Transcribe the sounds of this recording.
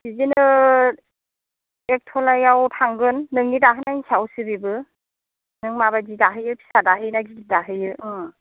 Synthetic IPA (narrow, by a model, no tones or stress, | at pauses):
bizinɯ | ek̚tʰɔlajawtʰaŋɡɯnːɯŋnidaɦɯnanisawsɯbibɯ | nɯŋmaβazidaɦɯjɯpʰi̥sadaɦɯjnaɡiɡidaɦɯjɯ